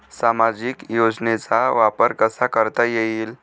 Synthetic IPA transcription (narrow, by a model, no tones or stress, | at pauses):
samad͡ʑikjod͡znet͡saʋapəɾkəsakəɾt̪ajeiːl